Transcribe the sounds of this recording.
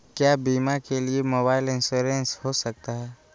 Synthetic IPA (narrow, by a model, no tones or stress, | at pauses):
kjaːbiːmakeliemoːbaːɪlɪ̃nsuːɾẽnshosɐk̚t̪aɦɛː